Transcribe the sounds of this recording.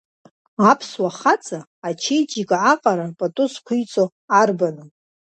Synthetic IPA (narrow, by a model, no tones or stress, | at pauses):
apʰswaχat͡sʼaːt͡ʃʰejt͡ʃʼikʼʕaqʼaɾapʼatʼʊskʷʰʊjt͡sʼo | arbanɨ